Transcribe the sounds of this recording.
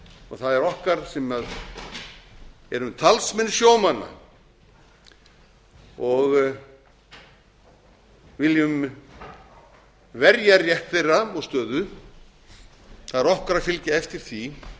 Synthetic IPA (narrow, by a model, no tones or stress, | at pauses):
ɔɣθaðɛɾɔhkaɾ̥sɛmað | ɛɾʏmt̪ʰalsmɛnsjoːwmanːa̰ | ɔɣ | vɪljʏm | vɛɾjaɾjɛht̪θejraɔɣst̪œːðʏ | θaðɛɾɔhkaɾafɪlcaɛft̪ɪɾ̥θi